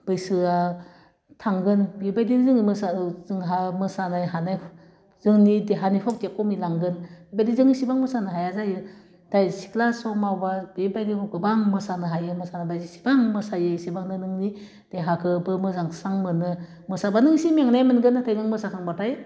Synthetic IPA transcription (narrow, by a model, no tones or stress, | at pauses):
b̥ɯjsɯa | tʰaŋɡɯnbibajdinzɯŋimɯsaz̥ɯŋɦamɯsanajɦanaj | z̥ɯŋnideɦanipʰɔk̚dikɔmilaŋɡɯnbibajdizɯŋnisibaŋmɯsanɯɦajazajɯ | d̥ajsi̥kʰlasɔmawbabibajdikʰɔkɯbaŋmɯsanɯɦajɯmɯsanabajzisi̥baŋmɯsajɯsibaŋnɯnɯŋni | d̥eɦakʰɯbɯmɯzaŋsaŋmɯnɯ | mɯsabanɯŋsimiaŋnajmɯnɡɯnatʰajɡɯŋmɯsakʰaŋbataj